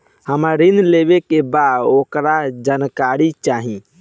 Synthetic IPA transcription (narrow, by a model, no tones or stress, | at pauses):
həmaɾind̪lebekebad̪okɾad͡ʒankaɾit͡ʃaɦĩ